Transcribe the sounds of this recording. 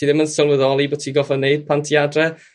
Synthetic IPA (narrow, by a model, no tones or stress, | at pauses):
iðɪmənsɪlˠvəðɔlˠibo̥tʰiɡɔfɔneɨd̥̚pʰantʰiadrɛ